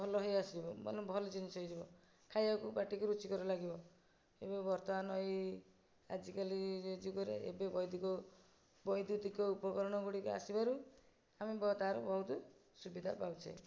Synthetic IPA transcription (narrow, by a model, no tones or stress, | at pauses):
bʱɔlɔɦɔjasibɔmɔ̰ɔbʱɔlɔd͡ʒinit͡ʃʰɔid͡ʒibɔ | kʰajakubaʈikuɾut͡ʃikɔɾɔlaɡibɔ | ebebɔɾt̪ɔmanɔɦj | ad͡ʒikalid͡ʒed͡ʒuɡɔɾḛḛbebɔjd̪ukɔ | bɔjd̪ut̪ikɔupɔkɔɾɔɽ̃ɔɡuɽika̰sibaɾu | amebɔt̪aɾɔbɔɦut̪ɔsubid̪ʱa̰pawt͡ʃʰḛ